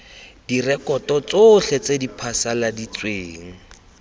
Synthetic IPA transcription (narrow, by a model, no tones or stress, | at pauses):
d̥irɛkɔtɔt͡soɬɛt͡sedipʰasaladit͡sweːŋ̩